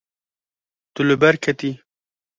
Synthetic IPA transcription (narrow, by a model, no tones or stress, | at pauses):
t̪ulɨbɐɾkʰɐt̪i